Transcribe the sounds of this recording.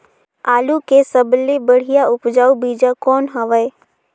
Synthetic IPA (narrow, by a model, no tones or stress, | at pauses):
aːlukesəblebəɽ̤ijaʊpd͡ʒaːubiːd͡ʒakɔːnɦɐʋəe